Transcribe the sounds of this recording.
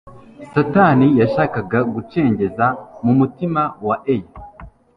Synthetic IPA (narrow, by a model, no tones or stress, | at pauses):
tatanijaʃaːkaɡaɡut͡ʃe̞ːɲɟe̞zamumutimawaʔeja